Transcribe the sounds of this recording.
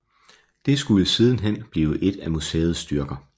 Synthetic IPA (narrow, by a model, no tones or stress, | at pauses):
d̥e̝sɡ̥uləsiːð̞ˠn̩ɦen̰b̥liːʊəʔe̝d̥æmusḛːð̞̩ˠsd̥ɶɐɡ̥ɐ